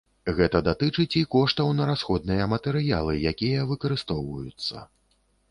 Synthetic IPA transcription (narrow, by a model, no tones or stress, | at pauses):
ɣɛt̪ɐd̪at̪ɨt͡ʂɨt͡sʲikɔʂt̪ɐwnɐɾasxɔd̪̚nɨjɐmɐt̪ɛɾɨja̰lˠɨjakʲijɐvɨkɐɾɨst̪ɔwvɐjut̪sːɐ̰